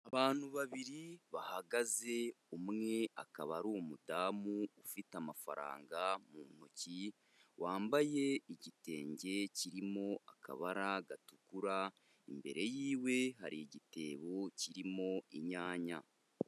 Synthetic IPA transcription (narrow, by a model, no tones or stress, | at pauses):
aβaːn̥huβaβiɾiβahaɡaze̞umŋe̞akaβaɾumudaːmuːfitamafa̰ɾa̰ːŋɡamuːn̥oci | waːmbaje̞iɟite̞ːɲɟe̞ciɾimo̞akʰa̰βaɾaɡatukuɾa | imbe̞̰ɾe̞jiːwe̞ɦaɾiiɟite̞ːβo̞ciɾimo̞iɲaːɲa̰